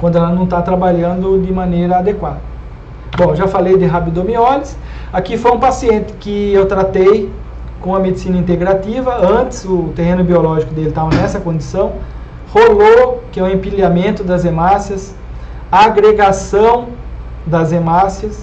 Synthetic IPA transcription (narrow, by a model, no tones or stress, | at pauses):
kʷwɐ̃nd̪ʊɛlɐnɐ̃w̃t̪at̪ɾabaʎɐ̃nd̪ʊd̪ɪmɐ̃nejɾɐad̪ekwad̪ɐ | bõʒafalejd̪ɪɦabid̪õmiɔlɪs | akifojũpasiẽnt̪ɪ̥kɪewt̪ɾat̪ej | kõɐmed̪isinɐĩnt̪eɡɾat̪ivɐɐ̃nt̪ɪ̥sʊːt̪eɦẽnʊbiolɔʒikʊd̪elɪt̪avɐnɛsɐkõdd͡ʒ̪isɐ̃w̃ | holokɪɛʊẽpiljamẽnt̪ʊd̪ɐzemasjɐs | aɡɾeɡasɐ̃w̃ | d̪ɐzemasjɐs